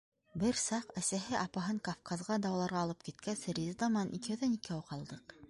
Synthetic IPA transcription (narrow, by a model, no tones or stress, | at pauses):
bɘɾsɑqæsæɦɘʔɑpɑɦɤɴkɐfkɑzʁɑd̪ɑwɑlˠɑɾʁɑːlˠɤp̚kit̪̚kæsɾʲizd̪ɑmɑnʔḭkɘɵðænikæwqɑlˠd̪ɤq